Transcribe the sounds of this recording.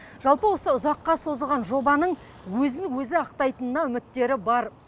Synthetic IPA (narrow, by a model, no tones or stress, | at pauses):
ʒ̥ɑlˠpəwo̞səʊzɑqːɑso̞zəlˠʁɑnʒo̞bɑnəɴ | wɵzɪnwɵzɪɑqt̪ɑjt̪ənənɑʏmɪt̪ːe̞ɾɪbɑɾ